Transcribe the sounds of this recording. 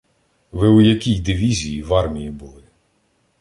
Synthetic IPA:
ʋɪʊjɐkʲijd̪ɪʋʲizʲijiʋɑrmʲijibʊlˠɪ

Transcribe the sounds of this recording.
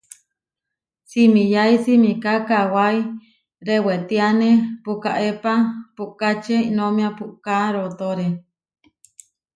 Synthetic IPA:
simĩjaisimikakawai | ɾewet̪ianepukaʔepapuʔkat͡ʃeinomĩapuʔkaɾot̪oɾe

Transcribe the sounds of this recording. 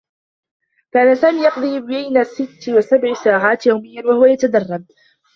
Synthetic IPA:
kaːnasaːmiːjɑqd̪ˤiːbajnasɪt̪ːwasabʕɪsaːʕaːt̪jawmɪjːanwahʊwajat̪ad̪ɑrˤːɑb̚

